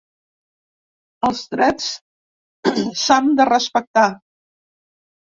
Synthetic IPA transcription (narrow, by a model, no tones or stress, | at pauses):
əlˠzt̪ɾɛt͡s | sand̪ərəspək̚t̪a